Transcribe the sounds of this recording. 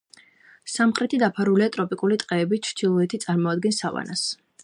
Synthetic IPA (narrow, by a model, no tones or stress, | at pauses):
samχɾɛt̪ʰid̪apʰaɾuliat̪ʼɾɔpʼikʼulit̪ʼqʼɛːbit͡ʃʰɾt̪ʰilˠɔɛt̪ʰit̪sʼaɾmɔad̪ɡɛnsava̰nas